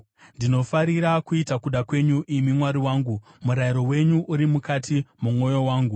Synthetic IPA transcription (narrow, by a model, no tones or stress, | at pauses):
ndino̞faɾiɾakuitakuɗakwe̞ɲuʔimimwaɾiwaːŋɡu | muɾaiɾo̞we̞ɲuʔuɾimukatʰimumo̞jo̞waːŋɡu